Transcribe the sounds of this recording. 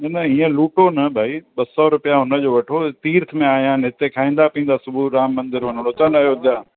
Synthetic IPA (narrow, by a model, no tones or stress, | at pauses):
nɐnɐiːə̃luːʈonɐbʱaːiɓɐsɔɾʊpijaɦʊnə̆d͡ʑoːʋɐʈʰot̪iːɾt̪ʰmẽaːijãːnɦɪt̪ekʰaːĩːnd̪apĩːnd̪asʊbʱuɾaːmːɐ̃nd̪ɪɾɦʊnəɽʊt̪ənɐɦjod̪jaː